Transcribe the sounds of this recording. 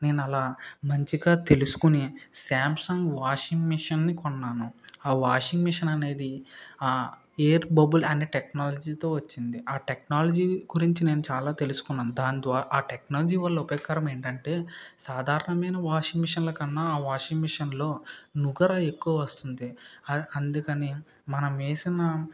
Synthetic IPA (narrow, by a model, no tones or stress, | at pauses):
ne̞ːnuɐlaːmɐɲt͡ʃiɡaːt̪e̞lusu̥kunisaːmpsɐŋɡʋaːʂiŋɡmiʂɐnːikɔnːaːnuaːʋaːʂiŋɡmiʂɐnɐne̞ːd̪iaː | eːɾbɐbɐlɐneːʈeknaːlɐd͡ʒiːt̪o̞ːʋɐt͡ʃːind̪iaːʈeknaːlɐd͡ʒiːɡuɾiɲt͡ʃine̞ːnut͡ʃaːlaːt̪e̞lusu̥kunːaːnud̪aːnid̪ʋaːʔaːʈeknaːlɐd͡ʒiːʋɐlːɐupjɐːkːaːɾɐme̞ːɳʈɐɳʈe̞ːsaːd̪ʱaːɾɐɳɐmɐjnɐʋaːʂiŋɡmiʂɐnlɐːkɐnːaːaːʋaːʂiŋɡmiʂɐnlo̞ːnuɡɐɾɐe̞kːuʋɐʋɐst̪und̪iɐɐnd̪ukɐni | mɐnɐmeːsinɐ